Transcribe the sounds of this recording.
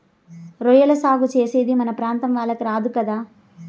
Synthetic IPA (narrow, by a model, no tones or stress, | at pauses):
ɾɔjɐlɐsaːɡut͡ʃeːse̞ːd̪imɐnɐpɾaːnt̪ɐmʋaːɭːɐkiɾaːd̪ukɐd̪aː